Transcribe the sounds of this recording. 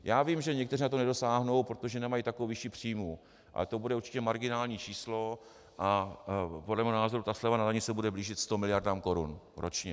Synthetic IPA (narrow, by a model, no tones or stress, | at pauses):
jaːvimʒɛɲɛkt̪ɛɾrinat̪onɛdo̞saːɦno̞wpɾo̞t̪o̞ʒɛnɛmajit̪akoowvɪʃipr̥iːmu | ʔa̰lɛt̪o̞budɛʔuɾt͡ʃɪ̥cɛmaɾɡɪnaːlɲiːt͡ʃiːslo̞ | ʔa | podlɛmɛhonaːzo̞ɾut̪aslɛvanadaɲɪt͡sɛbudɛbliːʒɪt̪st̪o̞mɪlɪjaɾdamko̞ɾṵn | ɾo̞̰t͡ʃɲɛ